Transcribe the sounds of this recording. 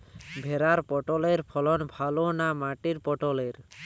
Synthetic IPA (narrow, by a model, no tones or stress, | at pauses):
bʱeɾaɾpɔʈɔleɾpʰɔlɔnbʱalonamaʈiɾpɔʈɔleɾ